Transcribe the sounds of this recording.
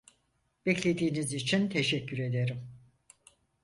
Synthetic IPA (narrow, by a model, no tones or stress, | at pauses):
b̥ɛclʲe̞d̪iːnizit͡ʃʰint̪ʰeʃɛcːyɾe̞d̪e̞ɾim